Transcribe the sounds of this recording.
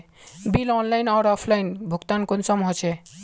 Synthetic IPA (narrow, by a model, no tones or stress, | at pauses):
bilɔnlajnɔɾɔpʰlajnbʱukt̪ankonsɔmɦot͡ɕʰe